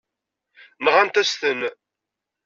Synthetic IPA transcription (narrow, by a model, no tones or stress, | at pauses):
nʁænt̪æst̪ən